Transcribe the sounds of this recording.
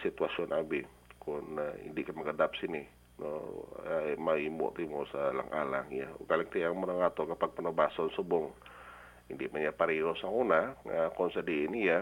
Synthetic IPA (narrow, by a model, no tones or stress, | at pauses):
sit̪uasiɔnabɪ | kʊnḭndɪʔkaməɡədap̚sini | nɔ | emaimɔ̰ʔt̪imosala̰ŋʔa̰la̰ŋja̰kalɛk̚t̪iaŋmənaŋat̪ɔkapaɡ̚pənobasɔnsəbʊŋ | indɪʔmaɲapaɾiɔsaŋunaakɔnsədiːnija